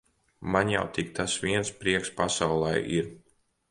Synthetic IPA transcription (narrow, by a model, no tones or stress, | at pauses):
manja̰wt̪ik̚t̪ʰasʋiɛnspɾiɛkspasawlˠɛ̰jiɾ